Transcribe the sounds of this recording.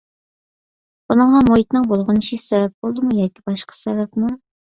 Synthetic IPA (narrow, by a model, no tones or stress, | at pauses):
bunəŋɑmoit̪nɨŋbolˠʁʊnɨʃisɛbɛp̚bolˠd̪ɨmujɑːkʲibɑʃqɑ̥sɛvɛp̚mu